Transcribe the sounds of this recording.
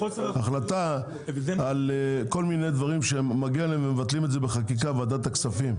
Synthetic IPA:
aχlat̪a | aleko̞lmine̞jd̪vaʁimʃemːaɡialeemvemevat̪limetzebeχakik̬avad̪at̪aksafim

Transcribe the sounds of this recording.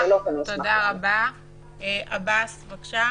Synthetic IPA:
alot̪odaʁaba | eʔabasvakʃa

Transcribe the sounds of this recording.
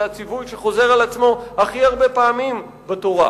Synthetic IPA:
hat͡sivujʃeχo̞ze̞ʁalat͡smo̞haχiaʁbe̞paːmim | betoʁa̰

